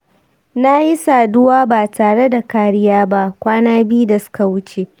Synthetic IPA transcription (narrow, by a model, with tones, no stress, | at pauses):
na˦ji˦saː˨dʊ˦waː˦baː˨taː˨ɽe˦da˨kaː˨ɽɪ˦jaː˦ba˦ʔkʷaː˦naː˦bi˦da˨sʊ̥˦ka˨wʊ˦t͡ʃe˦˨